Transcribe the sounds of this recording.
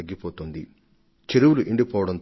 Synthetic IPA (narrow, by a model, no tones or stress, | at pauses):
ɐɡːipoːt̪oːnd̪i | t͡ʃeɾuwuluʔiɳɖipɔːʋɐɽɐnt̪